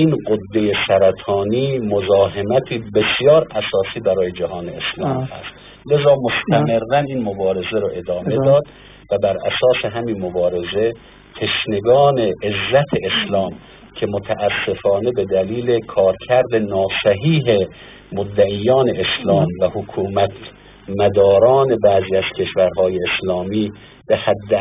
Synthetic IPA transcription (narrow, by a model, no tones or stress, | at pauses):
iːnɢod̪ːejesæɾæt̪ʰɒːniːmozɒːɦemæt̪ʰiːbe̞sjɒːɾʔæsɒːsiːbæɾɒːje̞d͡ʒæɦɒːneeslɒːmihæ̰st̪ | le̞zɒːmost̪ʰæmeɾːæniːnmobɒːɾe̞zeɾoʔe̞d̪ɒːme̞d̪ɒːd̪ | væbæɾʔæ̰sɒːseɦæminmobɒːɾe̞ze̞ | t̪ʰe̞ʃne̞ɡɒːne̞ʔːzːæt̪ʰeeslɒːm | cʰe̞mot̪ʰæʔæsːe̞fɒːne̞be̞d̪æliːlekʰɒːɾkʰæɾd̪enɒːsæɦiːɦe̞ | mod̪ːæʔijːɒːne̞ʔeslɒːmvæhokʰuːmæt̪ | mæd̪ɒːɾɒːne̞bæːziːæz̥kʲʰe̞ʃvæɾɦɒːjeːslɒːmiː | behæd̪ː